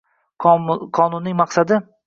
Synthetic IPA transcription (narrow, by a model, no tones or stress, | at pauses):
qʰɒnʊnːɪŋmɑqsad̪ɪ